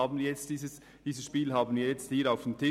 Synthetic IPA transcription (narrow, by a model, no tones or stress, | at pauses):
ɑːbn̩jɛt͡std̥iːsəs | d̥iːsəsʃpiːlhɑːbn̩jjɛt͡sthiːɾaʊfd̥entʰɪ